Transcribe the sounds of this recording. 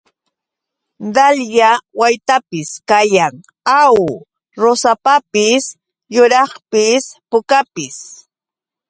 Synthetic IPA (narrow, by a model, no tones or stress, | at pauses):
d̪aljawajt̪apɪskajaŋ | aw | ɾosapapɪs | jʊɾɑχpɪspʊkapɪs